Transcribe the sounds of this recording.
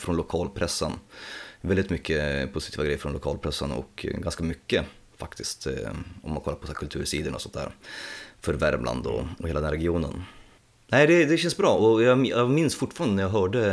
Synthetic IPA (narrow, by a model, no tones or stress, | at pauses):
fɾɔnlʊkʰɑːlpʰɾɛsːənvɛld̪ɪt̪mʏkːəpʰʊsɪt̪ʰiːvaɡɾɛjəfɾɔnlʊkʰɑːlpʰɾɛsːənɔ̰kɡanskamʏkːəfakt̪ɪst̪ɔ̰mːankʰɔlːaɾpʰɔsæːɾkʰɵlt̪ʰʉːɾʂiːd̪ənɔsɔnt̪æ̰ːɾfœɾvæ̰ɾmlʔa̰nd̪ɔ̰ɔeːlad̪ɛnɾɛɡɪuːnə̰n | næɪd̪ɛd̪ɛɕɛnsbɾɑːɔjɑjmɪnsfʊʈfɑːɾand̪ənæɾjaɦœːɖə